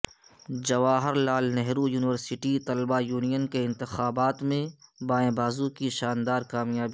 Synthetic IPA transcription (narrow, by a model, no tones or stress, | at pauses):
d͡ʒɐʋaːɦɪɾlaːlnɛɦɾujuːnɪʋəɾsɪʈit̪ɐlbajuːnijənkeɪ̃nt̪ɪxaːbaːt̪mẽbaːẽːbaːzũkiʃaːnd̪aːɾkaːmjaːbi